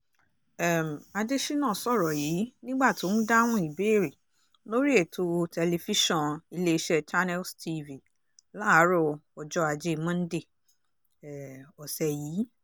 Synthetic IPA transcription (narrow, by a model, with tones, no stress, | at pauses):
ɛ˦˨m̩˨a˧de˦ʃi˦nãː˦˨sɔ˦˨ɾɔ˨jiː˨˦nĩ˦ɡ͡ba˦˨tũ˨˦n̩˦da˦w̃ɔ̃˦i˨be˨˦˨ɾe˨ | lo˦ɾi˦e˦˨tʰo˧tɛ˧le˧fi˦ʃɔ̃˦˨i˧le˦i˦ʃɛ˦t͡ʃa˦nɛ˦lstʰi˧vi˨ | la˦˨˦ɾɔ˦˨ɔ˨d͡ʒɔ˦a˧d͡ʒe˦˧mã˦n̩˦de˦˨ | ɛ˨ɔ˨sɛ˨jiː˨˦